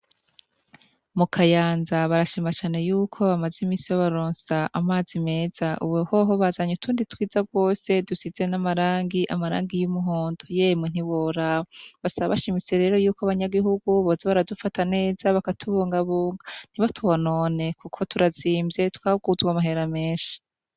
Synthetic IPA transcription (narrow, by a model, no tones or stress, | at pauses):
mukʰajaːnzaβaɾaʃimat͡ʃaːne̞juːkʰo̞βamazimiːsijoβaɾoːnsaʔamaːzime̞ːz̥aʔṵβohoɦoβazaɲutʰuːnditwiːzaɡwo̞ːse̞dusizenamaɾaːŋɡiʔamaɾa̰ːŋɡijumuɦoːndujemin̥iβoɾaβasaβaβaʃimit͡se̞ɾe̞ːɾo̞juːkoaβaɲaɡiɦuɡuβoːzeβaɾadufatane̞ːz̥aβakatʰuβuːŋɡaβuːŋɡan̥iβatʰuβonoːne̞kukʰo̞tʰuɾaziːmbze̞tu̥kaβuɡuzuɡwamaɦe̞ɾame̞ːnʃi̥